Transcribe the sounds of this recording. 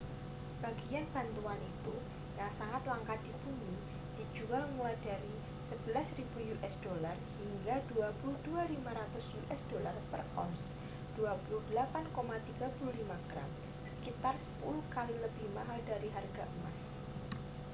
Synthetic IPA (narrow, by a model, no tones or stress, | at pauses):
səb̥aɡianb̥a̤nt̪uanit̪u | jaŋsaŋat̪waŋkad̥ibuɲi | d̥i̤̥d͡ʒualmulajdaɾi | səb̥əlasrib̥ujuʔɛsd̥olarhiŋɡad̥uapulud̥ualimaɾat̪ʊsjuʔɛsd̥olarpə̰rʔɔs | d̥uapuluhd̥əlapankomat̪iɡ̥a̤puluhlimaɡ̥ɾa̰m | sə̥kit̪arsə̥puluhkaliləb̥ɪhmaɦaldaɾiɦarɡaʔumas